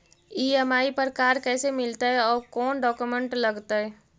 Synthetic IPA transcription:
iːɛmaːipɐɾkaːɾkɛːsemɪlt̪aɦɛɔːɾkɔːnɖɔːkumə̃ɳʈlɐɡt̪aɦɛː

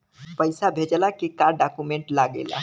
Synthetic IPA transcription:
pəɪsabʱed͡ʒəlakikaɾɖːakumeɳʈlaɡḛla̰

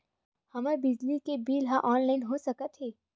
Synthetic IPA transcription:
hɐmaɾbɪd͡ʒlikebiːlɦãʔɔːnlaɪnɦosɐkət̪ɦeː

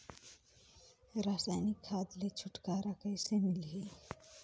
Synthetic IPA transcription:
ɾaːsaːjnikʰːaːd̪let͡ʃʰʊʈkaːɾakəɪsemɪlɦi

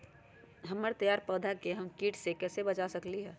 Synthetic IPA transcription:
ɦəməɾt̪əjaːɾpəːd̪ʱakeɦəmkiːʈsekɛːsebɐt͡ʃasəkliɦɛː

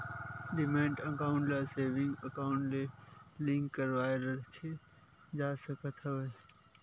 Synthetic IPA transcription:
ɖɪmẽːɳʈəkaːʊ̃ɳʈlaseːʋɪ̃ŋɡəkaːʊɳʈlelɪ̃ŋkːəɾʋaːeɾəkʰe | d͡ʒaːsəkət̪ʰəʋə

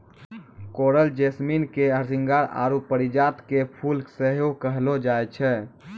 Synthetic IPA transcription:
koɾəld͡ʒesminkeəɾsiŋɡaɾa̰ɾupəɾid͡ʒat̪kepʰulsəɦokəɦlod͡ʒajt͡ʃʰɛ

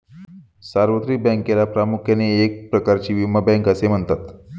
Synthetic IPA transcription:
saɾʋət̪ɾibɛ̃ŋkelapɾamukʰjaneek̚pɾəkaɾt͡ɕiːʋiməbɛ̃ŋkəsem̤əɳt̪at̪

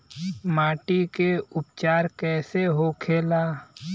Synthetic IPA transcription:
maːʈikeʊpt͡ʃaːɾkɛːseɦokʰeːlaː

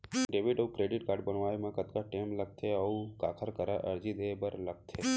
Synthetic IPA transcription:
ɖeʋiʈəukɾeɖiʈkaːɾɖbəɳʋaemãkət̪kaʈemləɡ̚t̪ʰeəũkakʰəɾkəɾaʔəɾd͡ʒid̪eebəɾləɡ̚t̪ʰe

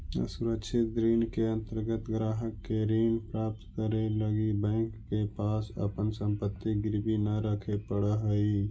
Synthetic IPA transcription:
suɾəkʃʰɪt̪̚d̪ɾiːnkeɐ̃nt̪əɾɡət̪ɡɾaːɦəkːeɾiːnpɾaːp̚t̪kəɾeləɡibɛ̃ːŋkːepaːsə̰pənsə̃mpət̪ːiɡɪɾbinɐɾəkʰepəɽəɦəi

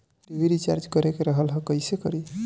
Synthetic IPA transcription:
ibiɾit͡ʃa̰ɾd͡ʒkəɾekeɾəɦəlɦəkəjsekəɾi

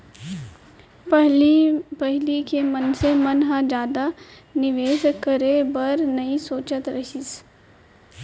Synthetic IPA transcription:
ɦpɐɦlikemənsemɐnɦãd͡ʒjaːd̪a | nɪʋeːʃkəɾebɐɾnɐisoːt͡ʃət̪ɾɐʃis

